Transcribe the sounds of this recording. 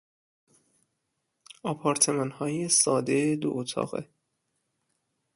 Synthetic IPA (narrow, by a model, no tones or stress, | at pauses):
ɒpʰɒːɾt̪ʰe̞mɒːnhɒːjesɒːd̪ed̪o̰ʔot̪ʰɒ̰ːɣḛ